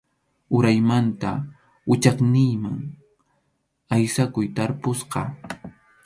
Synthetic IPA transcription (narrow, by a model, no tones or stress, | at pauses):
ʊɾajmant̪a̰ | ʊt͡ʃɑχnɪjmaŋ | ajsakʊjt̪aɾpʊsqɑ